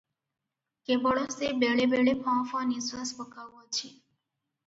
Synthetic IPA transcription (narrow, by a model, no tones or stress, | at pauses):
kebəɭosebeɭebeɭepʰãfanisʋaspəkaʋot͡ʃʰe